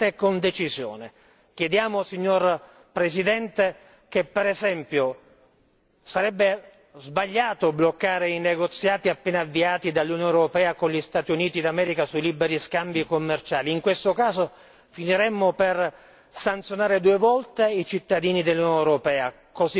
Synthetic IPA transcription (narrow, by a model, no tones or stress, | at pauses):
t̪ekond̪et͡ʃizjo̰ːne | kjed̪jaːmosiɲːor | pɾesid̪ɛnt̪e | kepːɛɾɛzɛmpjo | saɾɛbːe | zbaʎːaːt̪oblokːaːɾeineɡot̪sːjaːt̪iapːeːnaavːiaːt̪id̪alːunjoneɾopɛːakonʎist̪aːt̪iuniːt̪id̪amɛːɾikasuiliːbeɾiskambikomːert͡ʃaːliːŋkwest̪okaːzo | finiɾɛmːoper | sant̪sjonaːɾed̪uːevɔlt̪eit͡ʃit̪ːad̪iːnid̪elːunjoneɾopɛːa | kozi